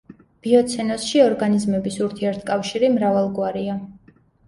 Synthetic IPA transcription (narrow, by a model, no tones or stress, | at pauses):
b̥iɔt̪sʰɛnɔsʃiɔɾɡanizmɛbisuɾt̪ʰiɛɾt̪ʰkʼafʃiɾimɾavalˠɡwaɾia